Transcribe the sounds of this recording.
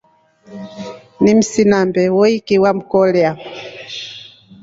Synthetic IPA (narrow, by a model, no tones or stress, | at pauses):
nim̩sinambɛwɔikiwam̩kɔlɛa